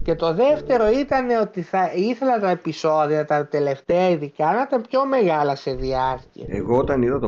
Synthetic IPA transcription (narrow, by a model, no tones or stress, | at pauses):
ce̞t̪o̞ðe̞ft̪e̞ɾo̞it̪ɐne̞o̞t̪iθɐiθe̞lɐt̪ɐepiso̞ðiɐt̪ɐt̪e̞le̞ft̪eɐiðikɐnɐit̪ɐmpço̞me̞ɣɐlɐse̞ðiɐɾcḭɐ̰ḛɣoot̪ɐniðɐt̪o